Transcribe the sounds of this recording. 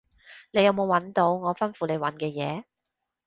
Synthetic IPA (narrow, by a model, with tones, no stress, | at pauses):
ne˨˧jɐ˨˧wmo˨˧wɐ˨˥nt̪o˨˧˥wŋɔː˨˧fɐ˥nfuː˨˧le˨˧jwɐ˨˥nkɛː˧jɛ̰ː˨˧